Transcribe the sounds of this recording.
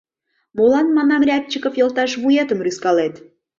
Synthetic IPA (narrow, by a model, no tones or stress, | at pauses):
molɑnmɑnɑmrʲɑk̚t͡ɕːəkofjolt̪ɑʃβujet̪əmryskɑlet̪